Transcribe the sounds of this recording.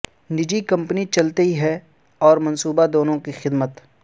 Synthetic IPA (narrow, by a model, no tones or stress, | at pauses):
nɪd͡ʒikɐ̃mpnit͡ʃɐlt̪ɦiɦɛ | ɔːɾmɐnsuːbad̪oːnõkixɪd̪mət̪